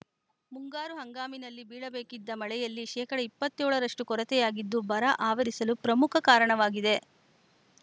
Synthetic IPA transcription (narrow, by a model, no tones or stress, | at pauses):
muŋɡaːɾuɦɐŋɡaːminɐlːibiːɭɐbeːkid̪ːɐmɐɭɛjɐlːiʃɛːkɐɽɐipːɐt̪ːɔːɭɐɾɐʂʈukɔɾɐt̪ɛjaːɡid̪ːubɐɾɐʔaːʋɐɾisɐlupɾɐmukʰɐkaːɾɐɳɐʋaːɡid̪e̞